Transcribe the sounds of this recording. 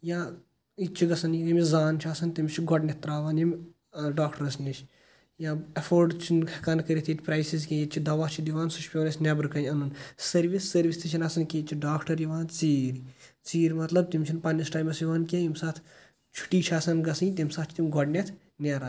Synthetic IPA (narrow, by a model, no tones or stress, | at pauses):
jãː | itt͡ʃʰiɡɐsɐnjikɐmizaːnt͡ʃʰaːsɐnt̪imʲt͡ʃʰiɡʱɔɖnʲet̪ːɾaːʋaːnjimʲ | ɖaːkʈɐɾɐsnit͡ʃʰ | jãːɐfʰoːɾɖt͡ʃʰinɐkɐnkɐɾʲit̪ʰit̪ʰʲpɾajsizkʲẽjit͡ʃʰid̪ɐʋaːt͡ʃʰid̪iʋaːnsuʃpʲoːnʲɐsnʲebɾkɐnɐnɐnsɐɾʋisːɐɾʋist̪ʰit͡ʃʰinɐsɐnkʲit͡ʃʰiɖaːkʈɐɾjiʋaːnt͡siːɾʲ | t͡siːɾʲmɐt̪lɐb̚t̪imʲt͡ʃʰinpɐnisʈaːjmɐsjiʋaːnkʲẽjimsaːt̪ʰ | t͡ʃʰu̥ʈiːt͡ʃʰaːsɐnɡɐsɐnt̪imʲsaːt̪t͡ʃʰt̪imʲɡʱɔɖnʲet̪ʰ | nʲeːɾa